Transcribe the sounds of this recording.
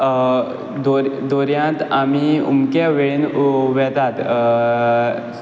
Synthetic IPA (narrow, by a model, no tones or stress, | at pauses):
d̪oɾd̪oɾjãt̪amiṵmkaʋeɭnʋɛt̪at̪